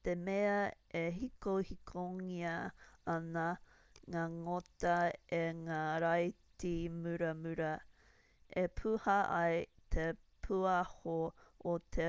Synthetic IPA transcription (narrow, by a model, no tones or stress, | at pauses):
t̪emeɐeɦikowhikʰoŋiɐɐnɐ | ŋaːŋot̪ɐeŋaːɾajtimʉɾɐmʉɾɐ | epʰuhɐʔɐjt̪ʰe | pʰuɐhoot̪ʰe